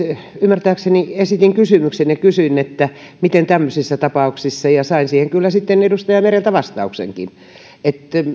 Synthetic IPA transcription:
ymːært̪æːkseniesit̪iŋkysymyksenjɑkysyinet̪ːæ | mit̪ent̪æmːøsisːɑt̪ɑpɑuksisːɑjɑsɑinsiːheŋkylːæsit̪ːenedust̪ɑjɑmerent̪æʋɑst̪ɑuksḛŋkḭn | et̪

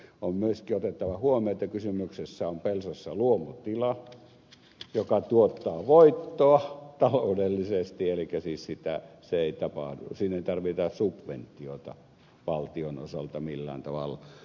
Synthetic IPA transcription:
ommyøskiot̪et̪ːɑʋɑhuomioet̪ːɑkysymyksesːæompelsosːɑluomut̪ilɑ | jokɑt̪uot̪ːɑːʋoit̪ːoɑt̪ɑloudelːisest̪ielikːˑæsiːssit̪æseeˑit̪ɑpɑ̰hdṵsiːneit̪ɑrʋit̪ɑsubʋent̪ːˑiot̪ɑ̰ | ʋɑlt̪iono̰sɑlt̪ɑmilːæ̰ːnt̪ɑʋɑ̰lː

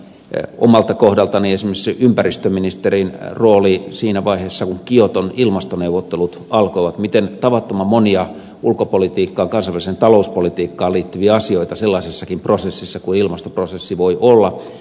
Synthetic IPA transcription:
o̰mɑlt̪ɑkohdɑlt̪ɑniesimesympærist̪øminist̪erinroːlisiːnæʋɑiheːsːɑkuŋkiot̪onilmɑst̪oneuʋot̪ːelut̪ɑlkoiʋɑt̪mit̪ent̪ɑʋɑt̪ːomɑmoniɑ | ʔulkopolit̪iːkːɑːŋkɑnsɑʋælisent̪ɑlouspolit̪iːkːɑːliːt̪ːyʋiɑɑsioit̪ɑselːɑˑisisːɑkimprosesːisːɑkuilmɑst̪oprosesːiʋoiʔolːɑ

